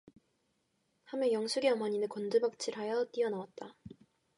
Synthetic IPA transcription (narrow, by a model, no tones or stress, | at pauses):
hamjʌnjʌŋsʰuɡeʌmʌɲinɯkʌndɯbak̚t͡ɕʰiɾɦajʌt͈iʌnawat̚t͈a